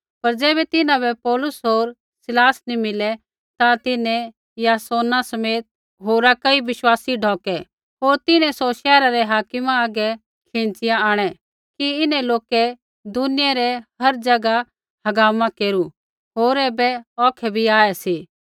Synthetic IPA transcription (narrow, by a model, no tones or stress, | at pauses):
pɐɾd͡ʒɛːbɛt̪ɪnãbɛpɔːlʊsɦoːɾ | sɪlaːsnimɪlɛ | t̪at̪ɪnɛ̃ | jaːsoːnasɐmeːt̪̚ | ɦoːɾakɐiʋɪʃwaːsiɖʱɔːkɛ | ɦoːɾt̪ɪnɛ̃sɔʃɛːɾaɾɛɦaːkɪmãaːɡɛ | kʰẽːnt͡ʃɪjãaːɽ̃ɛ | kiɪnɛ̃loːkɛ | d̪ʊnɪjaɾɛɦɐɾd͡ʒɐɡa | hɐɡaːmãkeːɾu | ɦoːɾɛːbɛɔːkʰɛbʱiaːɛsi